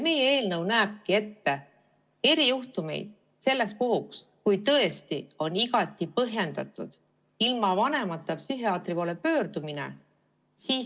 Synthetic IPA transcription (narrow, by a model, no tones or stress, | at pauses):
me̞jee̞ːlnɤwnæːb̥̚kie̞t̪ːe̞ | e̞ɾijuht̪ume̞̰jd̪̥̚ | se̞lːekspuɦuks | kujt̪ɤ̞est̪io̞niɡɑt̪ːˑipɤɦje̞nd̪ɑt̪ːˑud̪̥ | ilmɑvɑne̞mɑt̪ːˑɑpsyɦiɑːt̪ripoːlepøːrd̪̥umine̞̰ | siː